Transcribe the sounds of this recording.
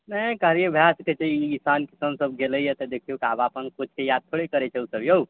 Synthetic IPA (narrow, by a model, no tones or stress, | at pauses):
nəkaɦɾijebʱjasket͡ʃʰeiisankisəmsəbɡeləjət̪ɔd̪ekʰiɦukiabapənkot͡ʃʰkejad̪̚t̪ʰoɽekəɾɛt͡ʃʰɛusəbjou